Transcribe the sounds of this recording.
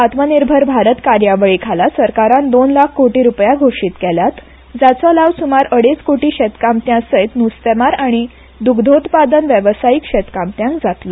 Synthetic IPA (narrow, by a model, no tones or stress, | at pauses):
at̪məniɾbʱəɾbʱaɾət̪kaɾjaʋəɭiːkʰalasəɾkaɾãnd̪onlakʰkoʈiːɾupjaɡʱoʂit̪kɛljat̪ | d͡zat͡sɔlaʋsumaɾəɽet͡skoʈiːɕet̪kamt̪jãsəjt̪nust̪emaɾaɽ̃i | d̪ukd̪ʱot̪pad̪ənʋjəʋsajikɕet̪kamt̪jãŋkd͡zat̪lɔ